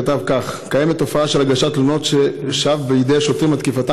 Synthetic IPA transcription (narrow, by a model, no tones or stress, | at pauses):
at̪avkaχkajemet̪ːo̞faaʃelaɡaʃat̪lono̞t̪ʃeʃavbejid̪ejaʃot̪ʁimat̪kifat̪a